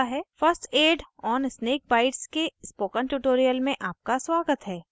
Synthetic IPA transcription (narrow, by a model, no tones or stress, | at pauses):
ɦɛːfəɾsʈeːɖɔːnsneːk̚baːɪʈskespoːkənʈuːʈoːɾijəlmẽʔaːp̚kaswaːɡət̪ɦɛː